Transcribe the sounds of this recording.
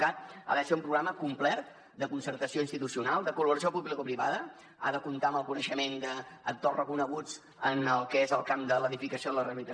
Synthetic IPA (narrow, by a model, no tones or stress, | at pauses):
kat̪̚a̰ðəseumpɾuɣɾaməkumplɛrt̪ | d̪əkunsəɾt̪əsioinst̪it̪usiunalˠd̪əkuləβuɾəsijopuβlikupɾiβa̰ðə | a̰ðəkunt̪aəməlˠkunəʃəmend̪əːk̚t̪orəkunəɣ̞ud͡z | ənəlˠkɛezəlˠkamd̪ələðifikəsioðələrəlit̪ə